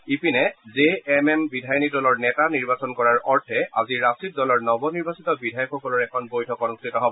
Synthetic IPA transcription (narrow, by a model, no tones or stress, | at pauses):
ipinɛzeːmɛmbidʱajɔnidɔlɔɹnɛtaniɹbasɔnkɔɹaɹɔɹtʰɛa̰ziɹastɹit̚dɔlɔɹnɔbɔniɹbasitɔbidʱajɔkxɔkɔlɔɹɛkʰɔnbojtʰɔkɔnustʰitɔɦɔbɔ